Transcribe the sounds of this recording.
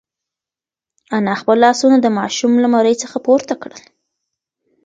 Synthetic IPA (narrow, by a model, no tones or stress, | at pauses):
anɑxpəlːɑsunad̪əmɑʃumlamaɾəjt͡səxapoɾt̪akɽəl